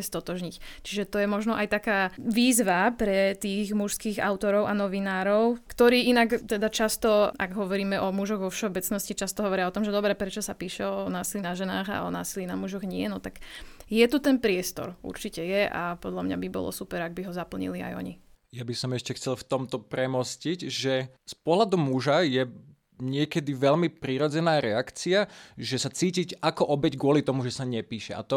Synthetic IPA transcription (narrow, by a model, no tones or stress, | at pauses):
ɛst̪ɔt̪ɔʒɲict͡ʃiʒɛt̪ɔjɛmɔʒnɔʔajt̪akaːʋiːzʋapɾɛt̪iːɣmuʃskiːɣa̰ʊt̪ɔɾɔʊʔanɔʋinaːɾɔʊkt̪ɔɾiːʔinakt̪ɛd̪at͡ʃast̪ɔaɡɦɔʋɔɾiːmɛʔɔmuʒɔɣʋɔfʃɛɔbɛt͡snɔscit͡ʃast̪ɔɦɔʋɔɾɪaɔt̪ɔmʒɛd̪ɔbɾɛpɾɛt͡ʃɔsapiːʃɛɔnaːsilinaʒɛnaːɣa̰ɔ̰na̰ːsilinamuʒɔɣɲɪɛnɔt̪aɡjɛt̪ut̪ɛnpɾɪɛst̪ɔ̰ɾṵɾt͡ʃicɛjɛʔa̰pɔd̪ʎamɲabibɔ̰lɔ̰supɛɾaɡ̚biɦɔzapl̩ɲḭlia̰jɔ̰ɲijabisɔmɛʃcɛxt͡sɛlft̪ɔmt̪ɔpɾɛmɔsciɟʒɛspɔɦlad̪ɔmuʒajɛ | ɲɪɛkɛd̪iʋɛʎmipɾiːɾɔd͡zɛnaːɾɛakt͡siaʒɛsat͡siːcicakɔʔɔbɛɟɡʊɔlit̪ɔmuʒɛsaɲɛpiːʃɛa̰t̪ɔ